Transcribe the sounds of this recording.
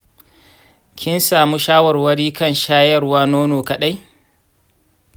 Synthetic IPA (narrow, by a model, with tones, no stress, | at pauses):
kʲʰɪ˦nsaː˨muː˦ʃaː˦wɐ˨rwɐ˦ɽiː˦kɐ˦˨nʃaː˦jɐ˦rwaː˦noː˦noː˨kɐ˨ɗa˦j